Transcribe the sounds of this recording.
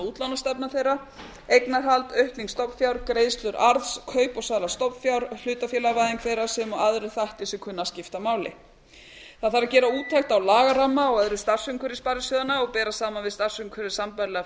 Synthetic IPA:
uːt̪lawnast̪ɛpnaθejɾa | ejknaɦalt̪œɥhkniŋkst̪ɔpfjawɾkɾejðst̪lʏɾʔaɾðskʰœːɥpɔɣsaːðɾast̪ɔpfjawɾl̥ʏːt̪afjɛːlaɣvajðiŋkθejɾasɛmɔɣaðɾɪ̥θaht̪ɪsɛmkʰʏnːascɪft̪amaːwlɪ̰ | θaðθaɾacɛːɾauːt̪ʰajht̪awlaːɣaramːaɔɣaðɾɪðst̪ar̥sʏŋkʰœɾɪspaɾɪsjœːðanaɔɣpɛːɾasaːmanvɪðst̪ar̥sʏŋkʰvœɾɪsampajlɛɣa

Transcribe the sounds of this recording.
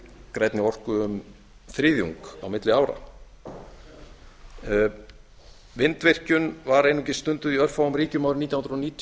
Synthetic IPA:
kɾajt̪nɪɔr̥kʏʏm | θɾɪːðjṵŋka̰wmɪt̪lɪaːwɾa̰ | vɪnt̪vɪr̥cʏnvaɾejnucɪst̪ʏnt̪ʏðiœɾ̥fawamriːcʏmawɾɪnit̪jwhnɾɔniːt̪ʰ

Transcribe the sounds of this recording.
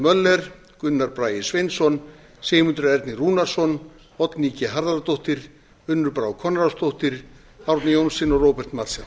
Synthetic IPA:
mœlːɛɾ̥ | kʏnːaɾpɾaːjɪsvejnt̪sɔn | seːmʏnt̪ɾʏɛɾt̪nɪruːnaɾsɔn | ɔt̪niːcɪɦaɾðaɾat̪oht̪ɪɾ̥ | ʏnːʏɾpɾawkʰɔnːaɾast̪ʰoht̪ɪɾ̥ | hawɾt̪nɪjownsɪnɔrowpɛr̥t̪mat̪sɛ

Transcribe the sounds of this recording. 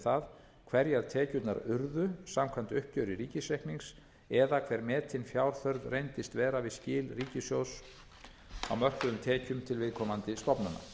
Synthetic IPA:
θað | kʰv̥ɛɾjɛɾ̥t̪ʰɛːcʏt̪na̰ɾʏɾðʏsamkʰvant̪ʏhp̚cœɥɾɪɾiːcɪsɛjhkniŋs | ɛðakʰv̥ɛɾmɛːt̪ʰɪnfjaːwɾ̥θœɾðrejnt̪ɪst̪vɛːɾavɪðscɪːlriːcɪsjows | a̰wmœr̥kʏʏmt̪ʰɛːcʏmt̪ʰɪlvɪðkʰɔmant̪ɪst̪ɔpnana̰

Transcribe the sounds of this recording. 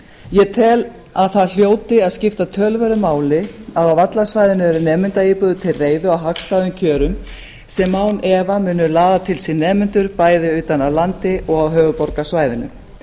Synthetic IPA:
jɛt̪ʰɛl | aðθaðl̥joːwt̪ɪaðscɪft̪at̪ʰœːlvœɾʏmaːwlɪaðawvat̪lasvaːjðɪnʏɛɾʏnɛːmʏnt̪aipʏðʏt̪ʰɪlreːjðʏawɦakst̪aːðʏmcʰœːɾʏm | sɛmːaːwnɛːvamʏːnʏlaːðat̪ʰɪlsinːɛːmʏnt̪ʏɾpaːjðɪʏːt̪anawlant̪ɪʔɔɣawɦœːɣʏpɔɾkasvaːjðɪnʏ̰

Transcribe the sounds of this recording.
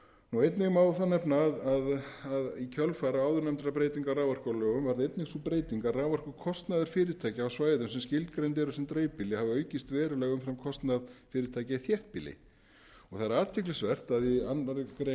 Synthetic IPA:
nuejt̪nɪɣmaːwθanːɛpnaːðaðaðicʰœlfaːɾaaːwðʏɾnɛmt̪ɾapɾeːjt̪iŋkaraːwvar̥kalœːɣʏmvaɾðɪejt̪nɪɣsupɾeːjt̪iŋkaraːvar̥kʏkʰɔst̪naðʏɾ̥fɪːɾɪɾ̥t̪ʰaːjcɪawsvaːjðʏmsɛmscɪlt̪̚kɾejnt̪̬ɛɾʏsɛmt̪ɾeːjpiːlɪhavɪœːɥcɪst̪vɛːɾʏlɛːɣʏmfɾɛmkʰɔst̪naðfɪːɾɪɾt̪ʰaːjcaiθjɛht̪̚pilɪ̰ | ɔɣθaðɾaːt̪vjɛklɪsvɛr̥t̪aðianaɾkɾe

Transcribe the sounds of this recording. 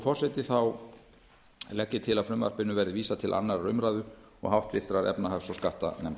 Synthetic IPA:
fɔrsɛt̪ɪθaw | lɛcːɪt̪ʰɪlaðfɾʏmva̰r̥pɪnːʏvɛɾðɪviːsat̪ʰɪlʔa̰nːaɾaɾʏmɾaːðʏ | ɔ̰ɣhawht̪vɪθt̪ɾaɾɛ̰pnaɦaxsɔskaht̪a̰nɛm

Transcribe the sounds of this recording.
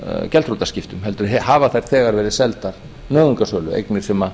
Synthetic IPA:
cɛlt̪ɾut̪ascɪft̪ʏmɦɛlt̪ʏɾɛhaːvaθajɾ̥θɛːɣaɾvɛːɾɪsɛlt̪aɾ̥ | nœːɣʏŋkasœːlʏḛjknɪɾ̥sɛma

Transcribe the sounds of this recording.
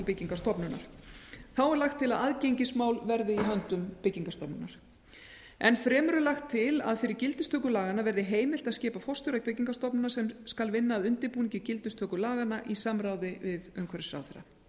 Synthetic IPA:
lpɪciŋkast̪ɔpnʏna̰ɾ̥θawɛɾlaxt̪ʰːɪlaðaðcejɲcɪsmaːwlvɛɾðɪiɦœnt̪ʏmpɪcːiŋkast̪ɔpnʏnaɾ̥ | ɛnfɾɛːmɾʏlaxt̪ʰːɪla̰ðfɪɾɪɾcɪlt̪ʏ̥st̪œːkʏlaːɣanavɛɾðɪɦeːjmɪl̥t̪aðscɛːpafɔst̪ʏɾak̚pɪciŋkast̪ɔpnʏnasɛmskalvɪnːaːðʏnt̪ɪɾpuːniɲcɪcɪlt̪ʏst̪ʰœːkʏlaːɣanːaʔisamɾawðɪvɪðœmkʰvɛɾɪsɾa̰ːwθɛɾːa̰

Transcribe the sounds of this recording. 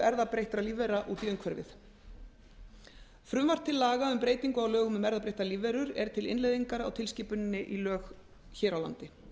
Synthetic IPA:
ɛɾðapɾejht̪ɾaliːvɛɾaʔuːt̪iʏmkʰvɛɾvɪ̰θ | fɾʏmvar̥t̪ʰːɪlːaːɣaʏmpɾeːjt̪iŋkʏawlœːɣʏmʏmɛɾðapɾejht̪aliːvɛɾʏɾɛɾ̥t̪ʰɪlɪ̰nlejðiŋkaɾa̰wt̪ʰɪlsciːpʏnɪnːɪʔilœːx | çɛːɾawla̰nt̪ɪ

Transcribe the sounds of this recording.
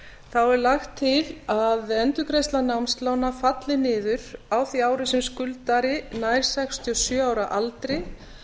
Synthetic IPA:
θawɛɾlaxt̪ʰːɪlaðɛnt̪ʏkʰɾejst̪lanawmst̪lawnafat̪lɪnɪːðʏɾ̥awθiaːwɾʏsɛmskʏlt̪aɾɪnaːjɾ̥sɛkst̪ʰiɔsjœːawɾaʔalt̪ɾɪ

